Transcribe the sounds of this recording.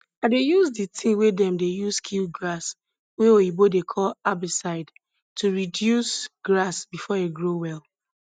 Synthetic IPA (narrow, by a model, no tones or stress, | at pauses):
adejuzditʰĩwedɛ̃mdejuskʰilɡɹas | weoibodekʰɔlabisaɪd | tʰuɹidjusɡ̥ɹasbifɔeɡɹowɛl